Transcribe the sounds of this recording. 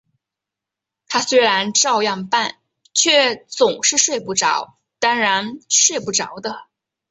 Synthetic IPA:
t̪ʰa˥swe˧˥ɪɻa˧˥nʈ͡ʂɑ˥˧ʊjɑ˥˧ŋpa˥˩n | t͡ɕʰɥɛ˥˩t͡sʊ˨˩ŋʂɻ̩˥˧ʂwe˥˧ɪpu˥˩ʈ͡ʂɑ̰˧˥ʊ | t̪a˥nɻa˧˥nʂwe˥˧ɪpu˥˩ʈ͡ʂɑ˧˥ʊd̪ə˧

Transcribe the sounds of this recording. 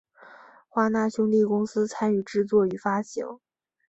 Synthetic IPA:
xwa˥na˥˩ɕjʊ˥ŋt̪i˥˩kʊ˥ŋsɹ̩˥t͡sʰa˥ny˥˧˩ʈ͡ʂɻ̩˥˧t͡swɔ˥˩y˧˩fa˥t͡ɕḭ˨˩˥ŋ

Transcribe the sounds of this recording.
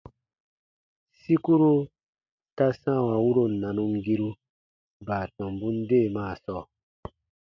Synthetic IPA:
si˦ku˦ɾu˦ | ta˦sã˦˨wa˨wu˦ɾo˨nã˨nũ˧ŋɡi˦ɾu˦ | baː˨tɔ̃˨mbũ˦n˦deː˦˨maː˦˨sɔː˦˨

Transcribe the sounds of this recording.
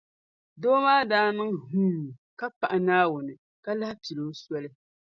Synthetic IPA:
doː˦maː˦daː˦nɨ˦ŋhuː˦˨ka˦pa˨ʔɪ˨naː˦wʊ˨nɨ˨ | ka˦la˦hpi˨lo˦sɔ˦lɨ˦

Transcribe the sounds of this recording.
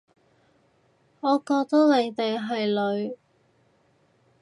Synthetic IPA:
ŋɔː˨˧kɔː˧k̚t̪ɐ˥le˨˧jt̪e˨jɦɐ˨jlɵ˨˧ɥ

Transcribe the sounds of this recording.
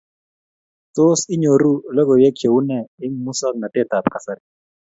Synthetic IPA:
t͡so˦si˦ɲo˨ɾu˦lɔ˦ɡɔ˨wjɛ˦kʰjo˨u˦nɛ˨ɪ˦ŋmu˦sa˦k̚na˨tɛ˦t̪a˨pka˨sa˨ɾi˦˨

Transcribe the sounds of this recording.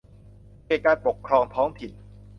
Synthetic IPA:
kaː˧˩kaː˧npo˨˩kʰːɾɔː˧ŋt̪ʰɔː˦˥ŋt̪ʰi˨˩n

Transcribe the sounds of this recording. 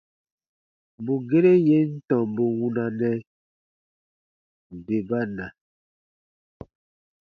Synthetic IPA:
bu˨ɡe˦ɾe˦je˦n̩˦tɔ˨mbo˨wu˦na˨nɛ˦˨ | be˨ba˦na˨

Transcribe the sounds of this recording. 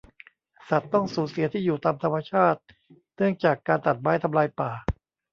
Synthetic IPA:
sa˨˩t̪ːɔ˥˩ŋsuː˩˦nsi˨˩˦ɐt̪ʰiː˥˩juː˨˩t̪aː˧mt̪ʰa˧mːa˧t͡ɕʰaː˥˩t̪̚ | nɯ˥˩əŋt͡ɕaː˨˩kːaː˧nt̪a˨˩t̪̚maː˨˦˥jt̪ʰa˧mlaː˧jpaː˨˩

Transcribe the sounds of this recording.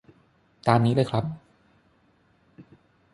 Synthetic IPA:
t̪aː˧nːiː˦˥lɤː˧˩jkʰɾa˦˥p̚

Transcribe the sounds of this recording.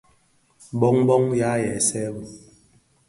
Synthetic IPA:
bɔ˦ŋbɔ˦ŋja˦jɛ˨sɛ˦bu˨

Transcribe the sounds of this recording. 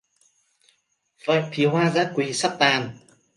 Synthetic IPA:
və̰ː˧˨jt̪ʰi˨˦hwaː˧zaː˧˥kwi˨˦sa˦˥p̚t̪aː˨˩n

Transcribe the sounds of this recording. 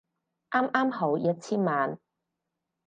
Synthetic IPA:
ʔaː˥mʔaː˥mho˨˥wjɐ˥t̚t͡sʰiː˥nmaː˨n

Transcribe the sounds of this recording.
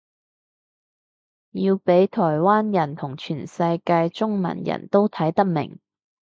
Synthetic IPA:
jiː˧wpe˨˥jt̪ʰɔː˨˩jwaː˥njɐ˨˩nt̪ʰʊ˨˩ŋt͡ʃʰyː˨˩nsɐ˧jkaː˧jt͡ʃʊ˥ŋmɐ̰˨˩njɐ̰˨˩nt̪o˥wt̪ʰɐ˨˥jt̪ɐ˥k̚mɪ̰˨˩ŋ

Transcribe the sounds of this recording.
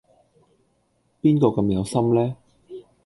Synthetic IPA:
piː˥nkɔː˧kɐ˧mjɐ˨˧wsɐ˥mlɛː˥

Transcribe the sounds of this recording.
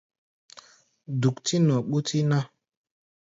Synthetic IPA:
du˨kti˦nɔ˨ɓu˦tʰi˦na˦

